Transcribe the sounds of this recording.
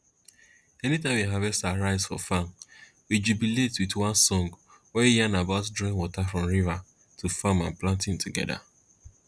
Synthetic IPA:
ɛnitawiɦavɛstaɾaɪzfɔ̰fam | wid͡ʒubiletwitwãnsɔ̃ŋɡ | wɛijanabaʊtdɾɔ̃nwɔtafɹɔ̃mɹiva | tʰufamãnplãntɪ̃mtʰuɡɛ̰da̰

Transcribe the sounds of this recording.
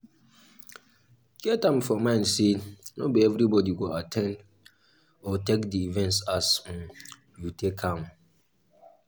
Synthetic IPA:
ɡ̥ɛtãmfɔmãɪ̃nsenobeɛvɾibɔdiɡoatʰɛ̃nd | ɔtɛkdiivɛ̃ntsas̩ | jutʰekʰːãm

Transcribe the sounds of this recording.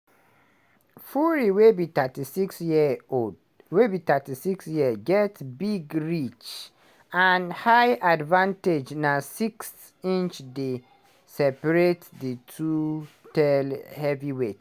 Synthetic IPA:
fuɹiwebitatisiksjiod | webit̪atisiksjiəɡɛtbiɡɹit͡ʃ | anhajʔadvãnted͡ʒnasiks | ĩnt͡ʃde | sɛpaɹetditʰu | tɛlhɛviwe

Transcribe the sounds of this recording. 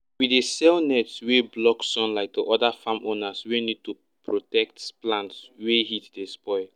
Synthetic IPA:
widesɛlnɛtsweblɔksɔ̃nlaɪk̚deʔɔdafamʔonaswenid̚tu | pɹotɛk̚tplãntsweɦitdespɔɪl

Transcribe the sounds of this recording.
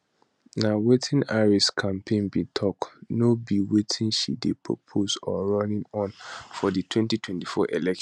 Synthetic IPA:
nawetʰĩnaɹiskʰãmpʰẽnbitʰɔknobiwetʰĩnʃḭdepʰɹo̰pʰosɔɹɔnĩmɔ̃nfɔditʰwɛ̃ntitʰwɛ̃ntifɔʔelɛkʃ

